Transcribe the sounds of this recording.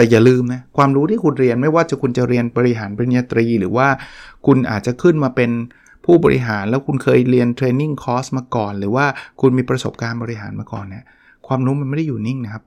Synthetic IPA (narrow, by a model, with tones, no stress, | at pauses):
t̪ɛː˨˩jaː˨˩lɯː˧mna˦˥kʰwaː˧mɾuː˦˥t̪ʰiː˥˩kʰu˧nɾi˧ənma˥˩jwaː˥˩t͡ɕa˨˩kʰu˧nt͡ɕa˨˩ɾi˧ənbɔː˧ɾi˦ɦaː˩˦nba˧ni˧aː˧t̪ɾiː˧ɾɯː˩˦waː˥˩kʰu˧nʔa̰ː˨˩t̪̚t͡ɕa˨˩kʰɯ˥˩nmaː˧pe˧n | pʰuː˥˩bɔː˧ɾʔḭ˦˥ɦaː˩˦nlɛː˦˥wkʰu˧nkʰɤː˧jɾi˧ənt̪ʰɾeː˧nːi˥˩ŋkʰɔː˦˥smaː˧kɔː˨˩nɾɯː˩˦waː˥˩kʰu˧nmiː˧pɾa˧so˨˩p̚kaː˧nbɔː˧ɾi˦˥ɦaː˩˦nmaː˧kɔ̰ː˨˩nːi˦˥˩ɐ | kʰwaː˧mɾuː˦˥ma˧nma˥˩da˥˩juː˨˩ni˥˩ŋna˦˥kʰa˦˥p̚